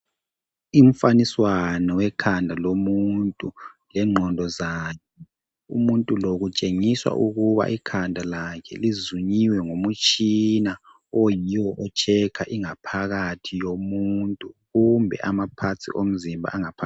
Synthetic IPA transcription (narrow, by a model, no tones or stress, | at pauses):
im̩faniswanɔwɛkʰandʱalomuntʼulɛŋ͡ǃʱɔndʱɔzaːkʰɛ | ṵmuntʼuloɣut͡ʃʼeŋiswa̰ʔuɣuβa̰ʔikʰandʱalakʰɛ̰lizuɲiwɛŋomut͡ʃʼina | ojiwɔʔɔt͡ʃʰɛkʰaʔiŋapʰaɣatʰijomuntʼuɣumbʱɛ̰ʔamapʰat͡sʰḭʔom̩zimbʱa̰ʔaŋapʰa